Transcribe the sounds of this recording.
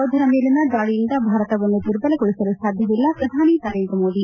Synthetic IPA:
ɐwd̪ʱɐɾɐmeːlinːɐd̪aːɭijind̪ɐbʱaːɾɐt̪ɐʋɐnd̪ut̪uɾbɐlɐkoɭisɐlusaːd̪ʱjɐʋilːɐpɾɐd̪ʱaːninɐɾeːnd̪ɾɐmoːd̪i

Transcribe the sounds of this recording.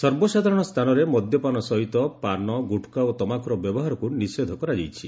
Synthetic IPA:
sɔɾbɔsad̪ʱaɾɔɽ̃ɔst̪ʰanɔɾemɔd̪ʱjɔpanɔsɔɦit̪ɔpanɔɡuʈʰkaot̪ɔmakɾɔbjɔbɔɦaɾɔkunised̪ʱɔkɔɾad͡ʒejt͡ʃʰi

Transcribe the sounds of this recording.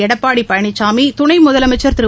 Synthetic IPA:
ɛɽɐpːaːɽipːɐjɐɳɪt͡ʃːaːmit̪ʊɳɐɪmʊðɐlɐmɐɪt͡ʃːɐɾt̪ɪɾɯ

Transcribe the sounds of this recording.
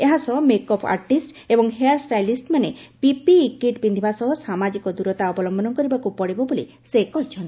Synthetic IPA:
eɦasɔɦɔmekɔpʰa̰ɾʈisʈ | ebɔŋɦeaɾsʈajlisʈmanepipikiʈbind̪ʱibasɔɦɔsamad͡ʒikɔd̪uɾɔt̪aɔbɔlɔmbʱɔnɔkɔɾibakupɔɽibɔbolḭ | sekɔɦit͡ʃʰɔnt̪i

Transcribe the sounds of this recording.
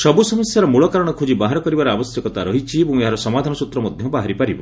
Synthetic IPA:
sɔbusɔmɔsjaɾɔmuɭɔkaɾɔɽ̃ɔkʰud͡ʒibaɦaɾɔkɔɾibaɾɔabɔsjɔkɔt̪aɾɔɦit͡ʃʰiebũŋeɦaɾɔsɔmad̪ʱanɔsut̪ɾɔmɔd̪ʱjɔbaɦaɾipaɾibɔ

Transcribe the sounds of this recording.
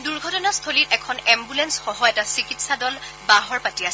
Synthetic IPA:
duɹɡʱɔtɔnast̪ʰolitʔɛkʰɔnɛmbulɛnsxɔɦɔɛtasikitsadɔl | baɦɔɹpatiasɛ

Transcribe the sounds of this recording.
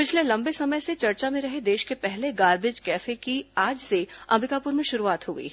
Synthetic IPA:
pɪt͡ʃʰlelɐ̃mbesɐməjset͡ʃɐɾt͡ʃamẽɾɐɦed̪eːʃkepɛɦleɡaːɾbɪd͡ʒkɛːfekiaːd͡ʒse | ɐ̰mbɪkaːpʊɾmẽʃʊɾuaːt̪ɦoːɡə̰ḭː

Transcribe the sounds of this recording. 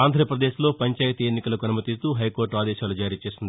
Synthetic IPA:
aːnd̪ʱɾɐpɾɐd̪eːʃlo̞ːpɐɲt͡ʃaːjɐt̪ienːikɐlɐkuɐnɐmɐt̪ist̪uːɦɐjko̞ːɾʈaːd̪ɛːʃaːlud͡ʒaːɾiːt͡ʃe̞ːsind̪i

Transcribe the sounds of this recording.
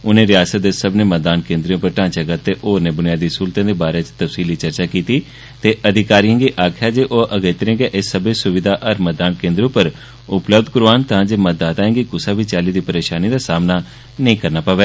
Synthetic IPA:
ʊnẽːɾɪjaːsət̪̚d̪esəbneːməd̪aːnkẽːnd̪ɾiõːpəɾʈãːt͡ʃaːɡat̪ːeːʔoːɾneːbʊnɪjaːd̪iːsuːlt̪ãːd̪eːbaːɾeːt͡ʃt̪əfsiːliːt͡ʃəɾt͡ʃaːkiːt̪iː | t̪eːʔəd̪ʱɪkaːɾijãːɡiːʔaːkʰjaːd͡ʒeːʔoːʔəɡeːt̪əɾẽːɡeːʔɪsːəbeːsʊʋɪd̪ʱaːʔəɾməd̪aːnkẽːnd̪ɾõːpəɾ | ʊpləbd̪kʊɾaːnt̪ãːd͡ʒeːmət̪̚d̪aːt̪aːẽːɡikʊsaːbiːt͡ʃaːliːd̪iːpəɾeːʃaːniːd̪aːsaːmnaː | nəĩːkəɾnaːpaːʋeː

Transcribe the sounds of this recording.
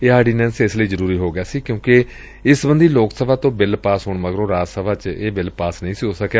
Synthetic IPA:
eːaːɪɖiːnɛːnsɪsləiːzəɾuːɾiːɦoːɡɪaːsiːkjõːkɪ | ɪsbənd̪iːloːksəbaːt̪õːbɪlpaːsɦʊːɳməɡəɾõːɾaːsəbaːt͡ʃeːbɪlpaːsnəĩːsiːɦoːsəkaː

